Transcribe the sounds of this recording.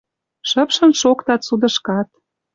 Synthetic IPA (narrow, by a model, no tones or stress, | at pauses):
ʃəpʃə̆nʃokt̪ɑt̪sud̪ə̆ʃkɑt̪̚